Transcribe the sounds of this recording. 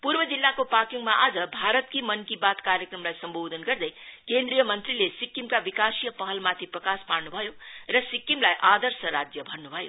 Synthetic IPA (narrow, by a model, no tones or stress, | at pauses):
purbʌd͡zilːakopakiŋmaʔad͡zʌbʱaɾʌt̪̚kimʌnkibat̪kaɾjəkrʌmlajsʌmbod̪ʱʌnɡʌrd̪ʌjkend̪rijʌmʌnt̪rilesikːimkabikasijʌpʌɦʌlmat̪ʰiprʌkasparnubʱʌjorʌsikːimlajʔad̪ʌrsʌɾad͡zjʌbʱʌnnubʱʌjo̰